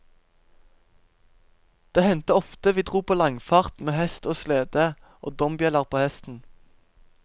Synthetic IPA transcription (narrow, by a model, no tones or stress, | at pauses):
d̪̥eːhɛnt̪əɔft̪əʋiːd̪ʁuːpʰoːlɑŋfɑːʁt̪meːhɛst̪oːsleːd̪ə | ʔo̰ːd̪ɔmbjɛləʁpʰoːhɛst̪n̩